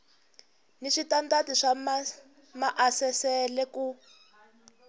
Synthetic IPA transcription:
niʂitantatiʂam | maʔasɛsɛlɛku

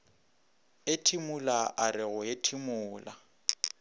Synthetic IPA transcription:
etʰimʊlaʔarɪɣʊjetʰimʊːla̰

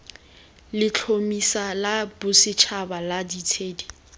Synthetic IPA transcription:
lɪt͡ɬʰomisalabʊsɪt͡ʃʰabaladitʰeːdi

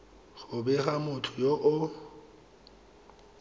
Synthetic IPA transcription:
χʊbɛɣamʊtʰʊjoʔʊ

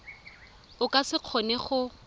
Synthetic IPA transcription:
ʊkʼasɪq͡χʰɔnɛχʊ

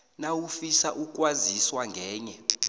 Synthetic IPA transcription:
nawufisaʔuk̬ʼwaziswaŋɡʱɛːɲɛ

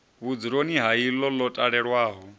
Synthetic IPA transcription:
βud͡ziɺoniɦailɔlɔtʼaɺɛɺwaːɦɔ

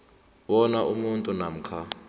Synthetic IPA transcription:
ɓɔnaʔumuntʼunam̩kʰa

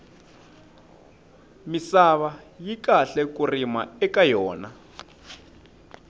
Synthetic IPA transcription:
misaβajikaɬɛkurima̰ɛkajɔːna

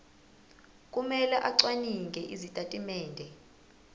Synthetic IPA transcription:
kʼumɛlɛʔaǀwaniŋɡʱɛʔizitʼatʼimɛːndʱɛ

